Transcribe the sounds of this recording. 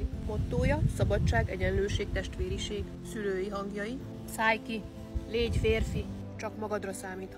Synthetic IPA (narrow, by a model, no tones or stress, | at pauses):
mot̪ːoːjɒsɒbɒt͡ʃːaːɡɛɟɛnløːʃeːk̚t̪ɛʃt̪ʋeːɾiʃeːɡ | syløːjiɦɒŋɡjɒji | saːjki | leːɟfeːrfi | t͡ʃɒkmɒɡɒd̪rɒsaːmiːt̪h